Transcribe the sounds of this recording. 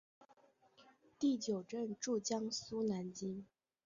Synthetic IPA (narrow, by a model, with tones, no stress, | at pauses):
t̪i˥˩t͡ɕjo˨˩ʊʈ͡ʂə˥˧nʈ͡ʂu˥˩t͡ɕjɑ˥ŋsu˥na˧˥nt͡ɕi˥n